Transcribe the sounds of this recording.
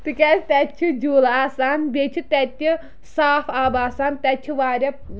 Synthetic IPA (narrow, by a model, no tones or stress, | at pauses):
t̪ɨkʲɛsʲt̪ɛt͡ʃʰud͡ʒuːlaːsaːnbʲet͡ʃʰut̪ɛt̪ʲːi | saːfabaːsaːnt̪ɛt͡ʃʰuʋaːɾʲɐ